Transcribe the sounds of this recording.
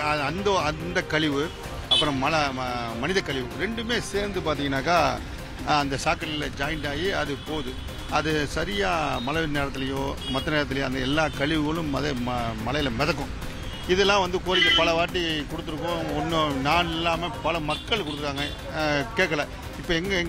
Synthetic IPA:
ɐɐnd̪ɐɐnd̪ɐkɐɭɪʋɯ | ɐpːɯɾɔ̃mɐlɐmɐnɪðɐkɐɭɪʋɯɾɛɳɖɯmeːseːɾnd̪ɯpaːɾt̪iːŋɡɐnːaːkaː | ɐnd̪ɐsaːkːɐlɪlɐd͡ʒɐːjɪɳɖaːjiɐðɯpoːðɯ | ɐðɯsɐɾɪjaːmɐlɐneːɾɐt̪ːɪlɐjõːmɐt̪ːɐneːɾɐt̪̬ːɪlɐjõɐnd̪ɐɛlːaːkɐɭɪʋɯɣɐɭɯ̃mɐðɐmmɐlɐjɪlɐmɛðɐkːʊ̃ | ɪðɛlːãːʋɐnd̪ɯkoːɾɪkːɐpɐɭɐʋaːʈːikɔɽɯt̪ːɯɾɯkːʊ̃ɔnːnaːnɛlːaːmeːpɐlɐmɐkːɐɭkɔɽɯt̪ːɯɾɯkːaːŋɡɐ | keːkːɐɭɐ | ɪpːoːɛŋɡɐŋ

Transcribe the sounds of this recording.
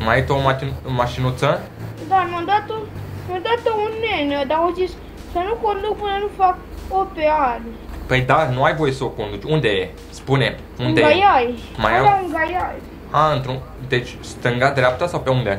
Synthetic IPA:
majit̪omaimaʃinut̪sə | d̪amad̪at̪onad̪at̪əunenəd̪aozis | sənukond̪ukpɨnənufakopeal | pəjd̪anuajvo̞jesəoko̞nd̪ut͡ʃʲund̪e̞je | spunem | uneɡjaj | majaauŋɡajaj | aɨnt̪ɾu | d̪e̞t͡ʃʲ | st̪ɨŋɡad̪ɾʲeap̚t̪asawpe̞und̪e

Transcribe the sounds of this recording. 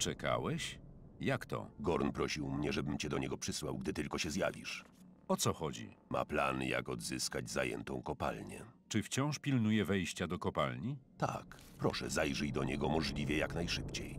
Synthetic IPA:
t͡ʂɛka̰wɛɕjakt̪ɔ̰ɡɔɾnpɾɔɕiwmɲɛʐɛbɘmt͡ɕɛd̪ɔɲɛɡɔpʂɘswawɡd̪ɘt̪ɘlkɔɕɛzja̰vʲḭʂ | ɔt̪sɔxɔd͡ʑḭ | ma̰pla̰nja̰kɔd̪zɘskad͡ʑzajɛ̰nt̪ɔ̃w̃kɔpa̰lɲɛ̰t͡ʂɘft͡ɕɔ̃w̃ʂpʲilnujɛvɛjɕt͡ɕad̪ɔkɔpalɲit̪a̰kpɾɔʂɛ̰zajʐɛjd̪ɔɲɛɡɔmɔʐlʲivʲjɛjaknajʂɘpt͡ɕej

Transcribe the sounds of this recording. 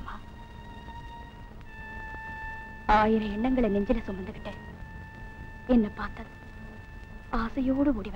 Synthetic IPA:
maː | aːjɪɾɐɛɳːɐŋɡɐɭɐnɛɲd͡ʒɪlɐsʊmːɐnd̪ɯʋɪʈːɐ | ɛnːɐpaːɾt̪ɐð | aːsɐjoːɽɯuːɽiʋɐ

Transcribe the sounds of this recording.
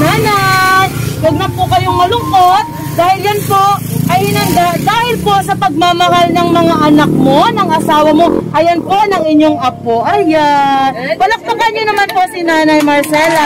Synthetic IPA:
naːna | wɐɡ̚nɐpʊkɐjoŋmɐlʊŋko̞t̪̚ | d̪aːhɪljɐnpo̞ʔʔɐjhɪnɐnd̪ad̪aːhɪlpo̞ʔsɐpɐɡ̚mamɐhalnɐŋmɐŋaʔɐnɐk̚mo̞nɐŋʔɐsaːwɐmo̞ʔɐjɐnpo̞nɐŋɪɲːo̞ŋʔɐpoʔɐja | wɐlapɐkɐɲːonɐmanpo̞sinaːnɐjmɐɹsɛlɐ

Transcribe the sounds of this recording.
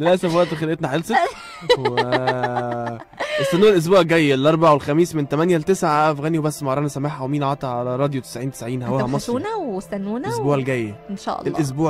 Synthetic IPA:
lelʔæsæfwæʔt̪xelʔet̪naħelse | we | ʔest̪ːænːuːnelʔos̬buːʕɡæjːelʔɑɾˤbɑʕawelxæmiːsment̪æmænjælt̪esʕaʔæfɣæːniwebæsːmɑʕɾˤɑːnɑsæmaħæwemiːnʕɑt̪ˤɑʕalæɾˤɑːd̪jot̪e̥sʕiːnt̪e̥sʕiːnhæwæhæmmɑsˤuːnæwsænːuːnlʔosbuːʕelɡæjːenʃɑ̰ʔɑ̰elʔos̬buːʕ

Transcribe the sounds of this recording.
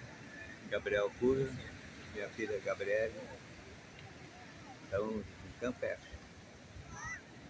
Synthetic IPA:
ɡabɾiɛwkuɾɐ | mĩɲɐfilɐɡabɾiɛlɐ | t̪ɐ̃w̃ĩk̪ɐ̃pɛs

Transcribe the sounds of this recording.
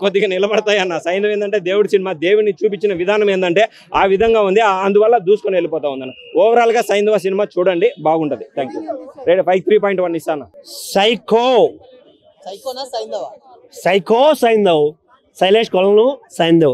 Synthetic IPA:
kod̪ːiɡaːnilɐbɐɽɐt̪aːjɐnːaːsɐjnd̪ɐʋend̪ɐɳʈe̞ːd̪eːwuɽisinimaːd̪e̞ːwunːit͡ʃuːpit͡ʃːinɐʋid̪ʱaːnɐmeːnd̪ɐɳʈe̞ː | aːʋid̪ʱɐŋɡaːund̪iɐnd̪uʋɐlːɐd̪uːsu̥konielːipɔːt̪aːund̪ɐnaɔːʋɐɾaːlɐɡaːsɐjnd̪ɐʋaːs̬inimaːt͡ʃuːɽɐɳɖibaːɡuɳʈɐd̪it̪ʰaːŋkjuːɾeːʈipʰɐjɡ̚t̪ʰɾiːp̬ɔːjiɳʈʋɐnːist̪aːnːaːsɐjkoː | sɐjkoːsɐjnd̪ɐw | sɐjleːʂkɔlɐlusɐjnd̪ɐw

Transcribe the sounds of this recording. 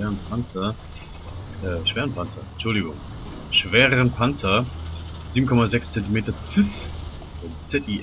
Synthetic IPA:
ɛːʁənpʰant͡sɐ | ɛːʃveːʁənpʰant͡sɐɛt͡ʃʊldɪɡʊŋ | ʃv̥eːʁəʁənpʰant͡sɐ | ziːbm̩kʰɔmazɛkst͡sɛntimeːtɐt͡sɪs | ʊnt͡sɛti

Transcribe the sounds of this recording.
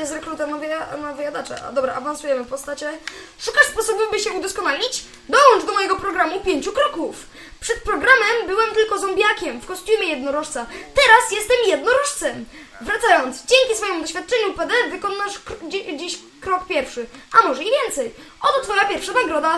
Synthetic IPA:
ɛsɾɛkɾut̪ɛnavjanavɨjad̪at͡ʂɛ̰ʔa̰d̪ɔbɾaʔavãnsujɛmɘpɔst̪at͡ɕɛʂukaʂspɔsɔbɛbɘɕɛud̪ɔskɔnalʲit͡ɕ | d̪ɔwɔnt͡ʂd̪ɔmɔjɛɡɔpɾɔɡɾamupʲjeɲt͡ɕukɾɔkuf | pʂɛt̪̚pɾɔɡɾamɛmbɘwɛmt̪ɘlkɔzɔmbʲjakʲɛmfkɔsʲt̪ʲjumʲjɛjɛd̪nɔɾɔʂt̪sat̪ɛɾasjɛst̪ɛmjɛd̪nɔɾɔʂt̪sɛm | vɾat̪sajɔnt̪zd͡ʑeŋkʲisfɔjimud̪ɔɕfʲjat̪̚t͡ʂɛɲupɛd̪ɛvɘkɔnːaʂkd͡ʑd͡ʑiɕ | kɾɔkpʲjɛɾfʂɘamɔʐɛivʲjɛnt̪sɛj | ʔɔt̪ɔt̪fɔjapʲjɛɾfʂanaɡɾɔd̪a

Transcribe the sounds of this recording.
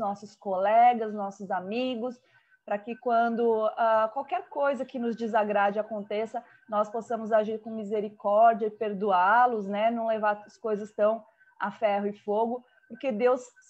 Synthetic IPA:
nɔsʊskolɛɡɐznɔsʊzamiɡʊs | pɾɐkɪkwɐ̃d̪ʊakwawkɛɾkojzɐkɪnʊzd͡ʒɪzaɡɾad͡ʒɪakõnt̪esɐ | nɔsposɐ̃mʊzaʒiɾkõmizeɾikɔɾd͡ʒiɐɪpeɾd̪ualʊznɛnɐ̃w̃levaɾɐskojzɐst̪ɐ̃w̃ | a̰fɛɦʊɪfoɡʊ | pʊɾked̪ews

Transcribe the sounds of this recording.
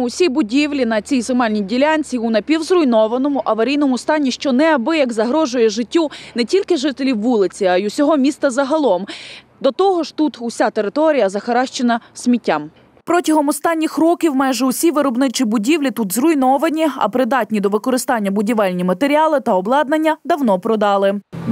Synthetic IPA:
ʊsʲibʊdʲiwlʲinɐt͡sʲijsɪmɑlʲnʲijdʲilʲanʲt͡sʲiunɐpʲiwzrʊjnɔʋɐnɔmʊʔɐʋɐɾʲijnɔmʊst̪ɑnʲːiʃt͡ʃɔnɛɐbɪjɐɡzɐɦɾɔʒʊjɛʒɪtʲːunɛtʲilʲkɪʒɪt̪elʲiwːulˠɪt͡sʲiɐjusʲɔɦɔmʲist̪ɐzɐɦɐlˠɔm | d̪ɔt̪ɔɦɔʃt̪ut̪usʲat̪eɾɪt̪ɔɾʲijɐzɐxɐɾɑʃt͡ʃɪnɐsʲmʲitʲːam | pɾɔtʲɐɦɔmɔst̪ɑnʲːixrɔkʲiwmɑjʒɛusʲiʋɪɾɔbnɪt͡ʃibʊdʲiwlʲit̪ut̪zrʊjnɔʋɐnʲiɐ̰pɾɪd̪ɑtʲnʲid̪ɔʋɪkɔɾɪst̪ɑnʲːɐbʊdʲiʋɑlʲnʲimɐt̪eɾʲiɑlˠɪt̪ɐɔblˠɑd̪nɐnʲːɐd̪ɐwnɔpɾɔd̪ɑlˠɪ

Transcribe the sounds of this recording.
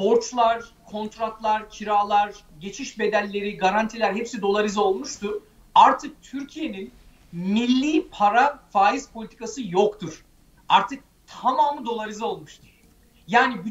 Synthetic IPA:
bo̞ɾt͡ʃlˠaɾkʰo̞nt̪ɾat̪lˠaɾcʰiɾaːlˠaɾɟe̞t͡ʃʰiʃbe̞d̪ælʲːe̞ɾiɡaɾant̪ʰilʲæɾɦɛpsid̪o̞lˠaɾizo̞lˠmuʃt̪ʰuɾ | aɾt̪ʰɯk̚t̪ʰyɾcʰije̞nin | milʲːiːpʰaɾafaːizpʰo̞lʲit̪ʰikʰasɯjokt̪ʰuɾ̥ | aɾt̪ʰɯk̚t̪ʰamaːmɯd̪o̞lˠaɾizao̞lˠmuʃt̪ʰuɾ̥ | jaːniby

